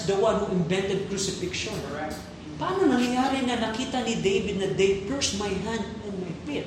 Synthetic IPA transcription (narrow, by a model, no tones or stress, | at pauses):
d̪ɐwanhuʔɪ̃mvɛ̃nt̪ɛd̪̚kɾusɪfɪkʃõn | pɐʔaːnonɐŋajaːɾɪŋɐnɐkiːt̪anid̪ejvɪd̪nɐd̪ejpɛɹsmajɦãnd̪ɛ̃nmajpɪt̪̚